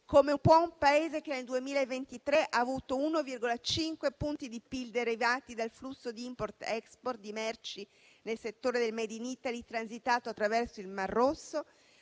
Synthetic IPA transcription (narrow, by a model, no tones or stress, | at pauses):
komepwɔumpaeːzekeneld̪uemiːlaevːent̪it̪ɾeʔaːvuːt̪ounovirɡolat͡ʃiŋkwepunt̪id̪ipild̪eaɾːivaːt̪id̪alflusːod̪iimport̪ɛksport̪̚d̪imɛrt͡ʃi | nelset̪ːoːɾed̪elmed̪init̪alit̪ɾanzit̪aːt̪oat̪ːɾavɛrsoilmarːosːo